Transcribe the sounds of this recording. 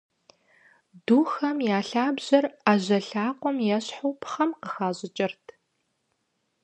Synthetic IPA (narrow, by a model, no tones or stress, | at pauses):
duːxɐmjaːɬaːbʑ̥ɐraːʑɐɬaːqʷɔmjɛɕħuwpχɐmqəxaːʑʼɪt͡ʃʼɪrtʰ